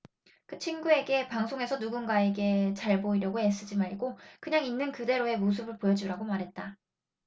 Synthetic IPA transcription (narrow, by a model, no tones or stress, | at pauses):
kɯt͡ɕʰinɡue̞ɡe̞paŋsʰoŋe̞sʰʌnuɡunɡae̞ɡe̞t͡ɕaɭboiɾjʌɡoe̞s͈ɯd͡ʑimaɭɡokɯɲaŋinːɯnkɯde̞ɾoe̞mos̬ʰɯbɯɭpojʌd͡ʑiɾaɡomaɾɦe̞t̚t͈a